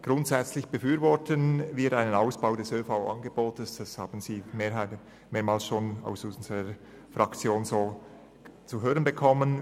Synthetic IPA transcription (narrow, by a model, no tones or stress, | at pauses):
ɡ̥ʁʊntsɛt͡slɪçb̥əfyːɾvɔtənviːɐɾʔaɪnənaʊsb̥aʊdɛsøːfaʊʔɑ̰nɡəboːtəsd̥asha̰ːbn̩ziːmeːɦaɪ | meːɐmaːlsʃoːna̰ʊsʊnzəʁə | fʁɑkt͡sjoːnzoː | t͡suɦøːʁənbəkʰɔmən